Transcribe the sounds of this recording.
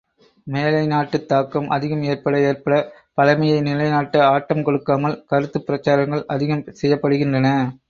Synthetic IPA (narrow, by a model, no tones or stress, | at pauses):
meːlɐɪnaːʈːɯt̪ːaːkːɐmʔɐ̰ðɪɣɐmeːɾpɐɽɐeːɾpɐɽɐ | pɐlɐmɐjɐɪnɪlɐɪnaːʈːɐaːʈːɐmkɔɽɯkːaːmɐlkɐɾɯt̪ːɯpːɪɾɐt͡ʃːaːɾɐŋɡɐɭɐðɪɣɐmsɛjːɐpːɐɽɯɣɪndrɐnɐ